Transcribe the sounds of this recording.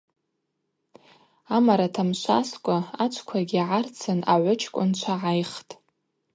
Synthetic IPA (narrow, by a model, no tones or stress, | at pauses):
amaɾatʰamʃʷaskʷʼaat͡ʃʷʰkʷʰaɡʲiʕart͡sʰɨnaʕʷʊt͡ʃʰkʷʼʊnt͡ʃʷʰaʕajχtʼ